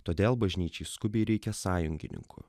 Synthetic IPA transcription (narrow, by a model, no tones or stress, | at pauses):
t̪oːd̪ʲeːlˠbɐʒʲnʲiːt͡ʃʲɛɪskʊbʲɛɪɾʲɛɪkʲɛsɑːjʊŋʲɡʲɪ̰nʲɪ̰ŋkʊ̰